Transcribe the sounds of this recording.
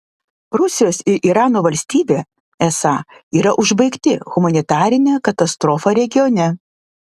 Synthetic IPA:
ɾʊsʲɪjoːsɪɾʔiɾɑːnoːʋɐlʲsʲt̪ʲiːbʲeː | ɛsɑːiːɾɐʔʊʒbɐɪkt̪ʲɪɣʊmɐnʲɪt̪ɑːɾʲɪnʲeːkɐt̪ɐst̪ɾɔːfɐɾʲɛɡʲɪjoːnʲɛ

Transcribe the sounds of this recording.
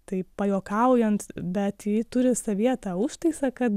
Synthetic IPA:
t̪ɐɪpɐjoːkɐʊjɛnt̪bʲɛt̪jiːt̪ʊɾʲɪsɐʋʲiɛt̪ɐʊʃt̪ɐɪsɐkɐt̪

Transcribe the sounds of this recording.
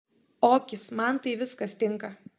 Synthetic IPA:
oːkʲɪsmɐnt̪ɐɪʋʲɪskɐst̪ʲɪŋkɐ

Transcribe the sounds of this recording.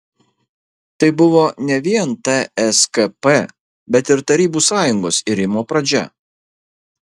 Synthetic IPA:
t̪ɐɪbʊʋoːnʲɛʋʲiɛnt̪ɐɛskɐpɛ | bʲɛt̪ɪɾt̪ɐɾʲiːbuːsɑːjʊŋɡoːsɪɾʲɪmoːpɾɐd͡ʒʲɛ̰

